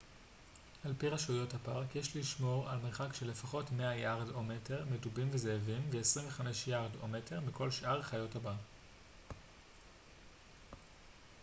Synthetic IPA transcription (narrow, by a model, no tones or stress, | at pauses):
alpiʁaʃujo̞thapaʁkjeʃliʃmo̞ʁalmeʁχakʃele̞faχo̞tme̞ajaʁdome̞tʰe̞ʁmedubimvezeːvimveesʁimveχame̞ʃjaʁdo̞̰me̞te̞ʁmiko̞lʃʔaʁχajo̞thaba